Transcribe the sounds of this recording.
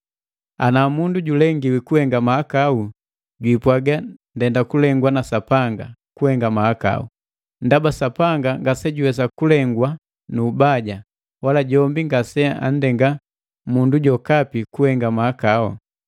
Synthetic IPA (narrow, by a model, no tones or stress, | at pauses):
anamunduɟulɛŋɡiwikuhɛŋɡamaakau | ɟwipwaɡandɛndakulɛŋɡwanasapaŋɡa̰kuhɛŋɡamahaka̰ṵ | n̩dabasapaŋɡaŋɡasɛɟuwɛs̬akulɛŋɡwa | nuːbaɟa | walaɟɔmbiŋɡasɛa̰n̩dɛŋɡa | munduɟɔkapikuhɛŋɡamaakaɔ̰